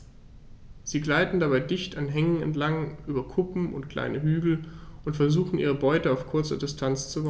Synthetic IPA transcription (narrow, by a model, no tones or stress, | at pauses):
z̥iːɡlaɪtn̩dabaɪdɪçtanɦɛŋənɛ̰ntlaŋʔyːbɐkʰʊpm̩ʔʊ̰ntkl̥a̰ɪnəɦyːɡl̩ʔʊntfɛɐzuːxn̩ʔiːʁ̞əbɔʏtəaʊfkʰʊɐt͡sɐ̰dɪstʰant͡st͡suva